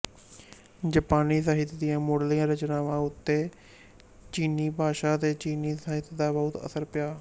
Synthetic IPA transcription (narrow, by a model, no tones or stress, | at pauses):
d͡ʒəpaːniːsaːɦɪt̪d̪ɪjãːmoɽlijãːɾət͡ʃnaːʋãːʊt̪ːeː | t͡ʃiːniːbʱaːʃaːt̪eːt͡ʃiːniːsaːɦɪt̪d̪aːbəʊt̪ə̰səɾpɪjaː